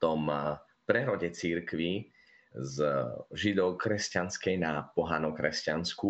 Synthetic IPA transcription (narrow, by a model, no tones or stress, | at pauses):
t̪ɔm | pɾɛɾɔɟɛt͡siɾkʋi | zʒid̪ɔʊkɾɛscanskɛjnapɔɦanɔkɾɛscansku